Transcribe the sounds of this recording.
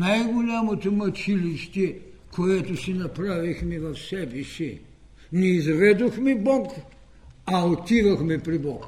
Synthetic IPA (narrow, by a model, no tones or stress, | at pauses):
najɡolʲamot̪omɐt͡ʃiliʃt̪ɛ | kʰoɛt̪osinɐpɾavixmɛvɐfsɛbisi | nɛizvɛd̪oxmibɔk | aot̪ivɐxmɛpɾibɔk